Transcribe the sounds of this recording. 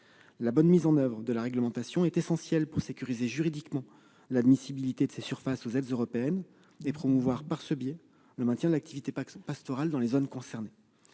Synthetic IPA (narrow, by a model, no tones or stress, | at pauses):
labɔnmizɑ̃nœvʁəd̪əlaʁɛɡləmɑ̃t̪asjɔ̃ɛt̪esɑ̃sjɛlpuʁsekʲyʁizeʒyʁid̪ikmɑ̃ | lad̪misibilit̪ed̪əsesyʁfasozɛd̪zøʁɔpeɛn | epχɔmuvwaʁpaʁsəbjɛ | ləmɛ̃t̪jɛ̃d̪əlak̚t̪ʰivit̪epast̪ɔʁald̪ɑ̃lezonkɔ̃sɛʁne